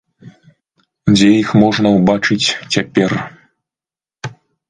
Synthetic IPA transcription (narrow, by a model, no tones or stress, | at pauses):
d͡zʲɛjixmɔʐnɐwbat͡ʂɨt͡sʲt͡sʲapʲɛr